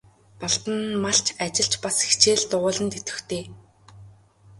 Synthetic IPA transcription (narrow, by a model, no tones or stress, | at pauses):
pɔɮt̪ə̆nmaɬt͡ɕʰat͡ɕɪ̆ɬt͡ɕpase̥xt͡ɕeːɮt̪ʊʁʊːɮə̆nt̪ʰet̪ɘ̆xt̪ʰeː